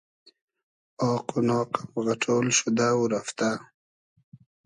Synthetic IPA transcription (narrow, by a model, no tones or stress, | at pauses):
oːqunoːqḁpɣaʈ͡ʂʰoːlʃud̪aːwuɾaft̪a